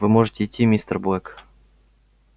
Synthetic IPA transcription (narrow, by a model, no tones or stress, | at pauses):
vɨmoʐɨtʲɪːtʲːimʲist̪ərbɛk